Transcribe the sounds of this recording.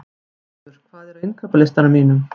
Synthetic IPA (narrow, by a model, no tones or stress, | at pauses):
ʏɾ̥kʰvaːðɛɾaɪŋkʰapalɪst̪aɾamiːnʏm